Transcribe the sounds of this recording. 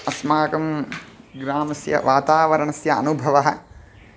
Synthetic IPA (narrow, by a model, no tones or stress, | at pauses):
ɐsmaːkɐmɡɾaːmɐsjɐ̰ʋaːt̪aːʋɐɾɐɳɐsjɐɐ̰nubʱɐʋɐɦɐ̆